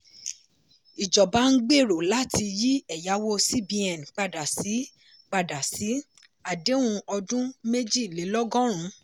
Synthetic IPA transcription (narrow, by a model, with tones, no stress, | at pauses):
i˨d͡ʒɔ˨ba˨˦n̩˦ɡ͡be˦˨ɾo˨la˦tʰi˧ji˦ɛ˦˨ja˨˦wo˦si˦bi˧ɛ˨n˨k͡pa˧da˨si˨˦ | k͡pa˧da˨si˨˦ | a˦˨de˨˦wũ˧ɔ˧dũ˦me˦d͡ʒi˦˨le˨˦lɔ˦ɡɔ̃˦ɾ̃ũ˨˦